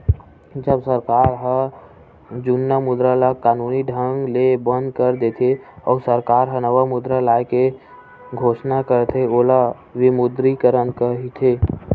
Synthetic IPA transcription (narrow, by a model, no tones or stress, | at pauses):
d͡ʒəbsəɾkaːɾɦə | d͡ʒunjamʊd̪ɾalakaːnuːniɖʱə̃ŋɡlebə̃nd̪kəɾd̪eːt̪ʰeɔːɾsəɾkaːɾɦənəʋamʊd̪ɾalaːjke | ɡʱoːʃnakəɾt̪ʰeoːla | ʋɪmʊd̪ɾikəɾənkəɦit̪ʰeː